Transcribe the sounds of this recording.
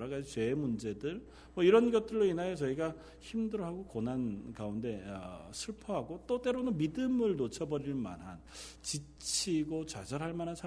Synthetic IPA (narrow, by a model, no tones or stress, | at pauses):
ɾaɡait͡ɕwe̞mund͡ʑe̞dɯɭ | mwʌiɾʌnɡʌt̚t͈ɯɭːoinajet͡ɕʌiɡa | çimdɯɾoɦaɡokonankaunde̞ʌsʰɯɭpʰʌɦaɡot͈ot͈e̞ɾonɯnmidɯmɯɭnot͡ɕʰʌbʌɾiɭma̰nɦant͡ɕi | t͡ɕʰiɡot͡ɕad͡ʑʌɾɦaɭmanansʰ